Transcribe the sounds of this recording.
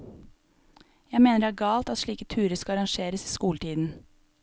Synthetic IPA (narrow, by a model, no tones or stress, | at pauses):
jæɪmeːnəɾæːɾɡɑːlt̪ɑt̪ʃɭiːkət̪ʰʉːɾəskɑɑɾɑŋʃeːɾəsiːskuːlʈ̪iːd̪n̩